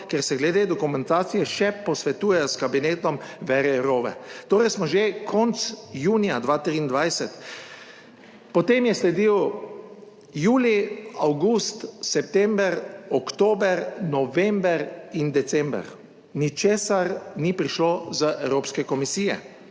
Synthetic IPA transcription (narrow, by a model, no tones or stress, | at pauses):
kɛɾsɛɡlɛd̪ed̪ɔkumɛ̃nt̪aːt̪sijɛʃɛpɔsʋɛt̪uːjɛskabineːt̪ɔmʋɛɾɛɛɾoːʋɛ̰t̪oːɾɛjsmɔʒekʰɔnt̪sjuːnijad̪ʋaːt̪ɾiːnd̪ʋajsɛt̪ | pɔt̪eːmjɛslɛd̪iw | juːliawɡust̪sɛpt̪ɛmbɛɾɔkt̪oːbɛɾnɔʋɛmbɛɾind̪ɛt̪sɛ̃mbɛ̰ɾ | nit͡ʃeːsaɾnipɾiʃlozəʔɛwɾoːpskɛkɔmisiːjɛ̰